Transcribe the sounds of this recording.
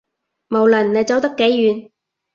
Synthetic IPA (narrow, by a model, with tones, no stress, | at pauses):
mo˨wlɐ˨˩nne˨˧jt͡sɐ˨˥wt̪ɐ˥kːe˨˥jːyː˨˧n